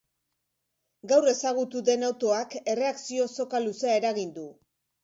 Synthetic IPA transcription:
ɡawre̞saɣut̪uðe̞nawt̪o̞ake̞re̞aksio̞so̞kaluseae̞ɾaɣind̪u

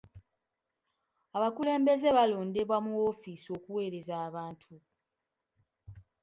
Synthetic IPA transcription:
aβakule̞ːmbe̞ze̞βalo̞ːnde̞βwamuwo̞fisio̞kuwe̞ːɾe̞zaːβaːntʰu

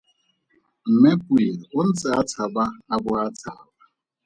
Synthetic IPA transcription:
m̩mepʊiʊn̩t͡sɪatʰabaabʊatʰaaba

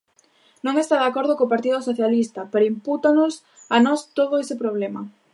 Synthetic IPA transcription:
nõŋest̪aðakoɾð̞ʊkoːpaɾt̪iðʊsoθjalist̪ɐpeɾoimput̪anʊs | anɔst̪oðʊesɪpɾoβ̞lɛmɐ̰

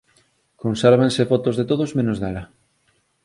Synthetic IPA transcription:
konsɛɾβ̞ansefɔt̪ozðet̪oðozmẽnozðalɐ

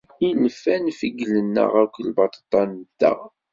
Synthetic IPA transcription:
iləfænfiɡlənːə̰ʁækʷːlbɑt̪t̪ˤːɑnd̪æ̰

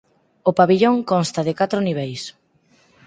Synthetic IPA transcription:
opaβiʎoŋkonst̪aðɪkat̪ɾʊniβ̞ɛjs

